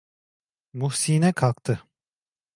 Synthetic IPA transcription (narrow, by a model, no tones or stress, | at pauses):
muhsiːnɛkʰalˠk̚t̪ʰɯ